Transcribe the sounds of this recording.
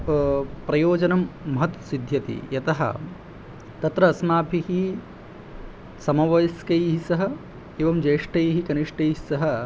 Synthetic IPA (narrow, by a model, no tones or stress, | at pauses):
pɾɐjoːd͡ʒɐnɐmːɐɦɐt̪sid̪ʱjɐt̪ḭjɐt̪ɐɦɐ̰ | t̪ɐt̪ɾɐːsmaːbʱihi | sɐmɐʋɐjɐskɐjɦisɐɦɐ̆ | eʋɐmd͡ʒɐjːʂʈɐjɦikɐniʂʈɐjɦisɐɦɐ̆